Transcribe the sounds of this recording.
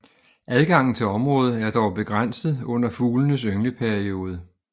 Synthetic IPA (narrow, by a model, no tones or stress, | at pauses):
ʔæðˠɡ̥ɑ̈ŋ̰n̩t͡sʰe̝lɒ̽mʁɔ̽ːð̞̩ˠæɐd̥ɒʊb̥e̝ɡ̥ʁan̰sð̩ˠɔ̽n̰ɐfuːlənəsøŋləpʰæɐio̝ːð̞ˠə